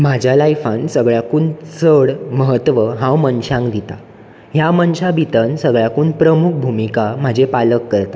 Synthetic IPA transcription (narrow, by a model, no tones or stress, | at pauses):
m̤ad͡ʑʱjalajfãnsəɡɭjakuːnt͡səɽməɦət̪ʋəɦãwmənɕãŋkd̪it̪a̰ | jamənɕabʱit̪ənsəɡɭjakuːnpɾəmuk̚ʰbʱumikam̤ad͡ʑʱepaləkːəɾt̪a